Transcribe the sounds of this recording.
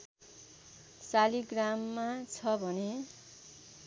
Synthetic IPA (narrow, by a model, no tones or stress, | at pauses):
saliɡramːat͡sʰʌbʱʌne